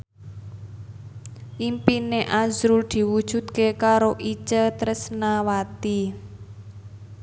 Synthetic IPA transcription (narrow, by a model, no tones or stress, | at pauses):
ʔimpineʔazɾuld̪̥i̤wud̥ʒ̥ṳd̪̚kekaɾoʔit͡ʃət̪ɾəsnawat̪i